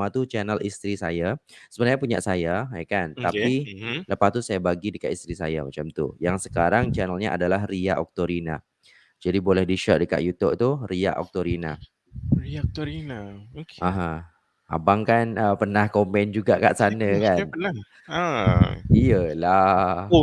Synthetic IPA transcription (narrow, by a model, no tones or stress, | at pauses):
at̪ut͡ʃɛnəlʔḭst̪ɾisajasəbənaɲãpuɲa̰ʔsajaajkant̪apiləpast̪usajabaɡidəkaʔ̪ist̪ɾisa̰ja̰ma̰t͡ʃamt̪ṵjaŋsə̥kaɾaŋt͡ʃɛnəlɲaʔa̰dalaɦriaʔɔk̚t̪oɾina̰ | d͡ʒadibolɛhdiʃɔʔ̚dəka̰ʔ̪jut̪up̚t̪uria̰ʔɔ̰k̚t̪oɾina̰ | t̪ɾinaãɦã | ha̰baŋkanəpərnahkompɛnd͡ʒuɡaʔka̰ʔsanəkan | ijəla